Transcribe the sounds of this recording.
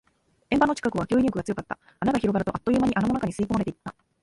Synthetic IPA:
ẽ̞mbanːot͡ɕi̥kakɯ̟β̞akʲɨːɲʲɨːkɯ̟ɡat͡sɨjo̞kat̪ːa | anaɡaçiɾo̞ɡaɾɯ̟t̪o̞ʔat̪ːo̞jɯ̟ːmaɲ̟iʔanamo̞nakaɲ̟isɨikomaɾe̞t̪e̞it̪ːa

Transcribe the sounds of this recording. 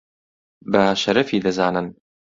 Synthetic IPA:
bɐʃɐɾɐfiːd̪ɐzaːnɨn

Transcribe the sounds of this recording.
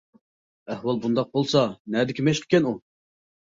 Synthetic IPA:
æhwɑlˠbund̪ɑq̚bolˠsɑnɛd̪ɪkʲimɛʃqʰə̥kʲɛnu

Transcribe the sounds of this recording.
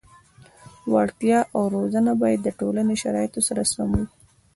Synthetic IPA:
waɽt̪jɑʔawɾozanabɑjad̪ːəʈolaneʃaɾɑjɪt̪osaɾasamu

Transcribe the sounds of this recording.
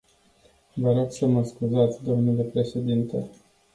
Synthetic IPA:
vəɾat̪sʲsəməskuzat̪sʲd̪o̞mnule̞pɾe̞ʃe̞d̪int̪ḛ

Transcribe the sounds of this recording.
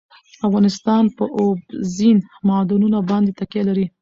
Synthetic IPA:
afɣɑnɪst̪ɑnpəʔobzinmɑd̪ununabɑnd̪et̪akelaɾi

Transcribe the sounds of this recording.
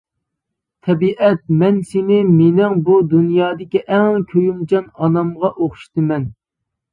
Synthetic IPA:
t̪ʰɛbiʔɛt̪̚mɛnsenɪmenɪŋbud̪unjɑːd̪ɪkʲiʔɛŋkʲʰøjumd͡ʒɑnɑnɑmʁɑʔoχʃt̪ɨmɛn

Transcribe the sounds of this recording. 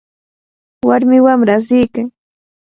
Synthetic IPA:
waɾmɪwamɾas̬ɪjkaŋ

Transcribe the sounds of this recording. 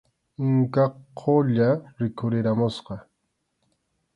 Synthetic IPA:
ɪŋkaqʰːoʎaɾɪkʊɾɪɾamʊsqɑ

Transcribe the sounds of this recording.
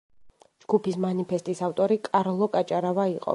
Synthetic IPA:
d͡ʒɡupʰismanipʰɛst̪ʼisaft̪ʼɔɾikʼaɾlˠɔkʼat͡ʃʼaɾavaiqʼɔ̰

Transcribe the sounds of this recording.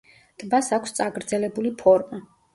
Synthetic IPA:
t̪ʼbasakʷst̪sʼaɡɾd̪zɛlɛbulipʰɔɾma

